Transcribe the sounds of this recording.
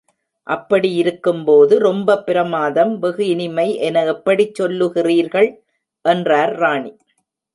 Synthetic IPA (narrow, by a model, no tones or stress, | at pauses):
ʔɐpːɐɽijɪɾɯkːɯmpoːðɯɾɔmbɐpːɪɾɐmaːðɐmʋɛɣɯɪnɪmɐɪʔɛnɐɛpːɐɽit͡ʃːɔlːɯɣɪriːɾɣɐɭ | ʔɛndraːɾɾaːɳi